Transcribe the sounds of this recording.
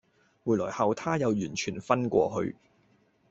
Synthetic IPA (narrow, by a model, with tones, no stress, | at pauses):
muː˨˩jlɔ̰ː˨˩jhɐ˨˧wt̪ʰaː˥jɐ˨˧wjyː˨˩nt͡ʃʰyː˨˩nfɐ˥nkʷɔ̰ː˧hɵ̰˧ɥ